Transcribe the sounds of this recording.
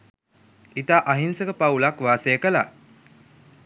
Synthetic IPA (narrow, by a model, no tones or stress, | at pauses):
it̪aːʔaɦinsəkəpaulakʋaːsəjəkəla̰